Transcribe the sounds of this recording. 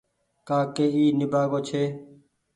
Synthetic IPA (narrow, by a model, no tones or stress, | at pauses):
kaːkeːiːnɪbaːɡoːt͡ʃʰeː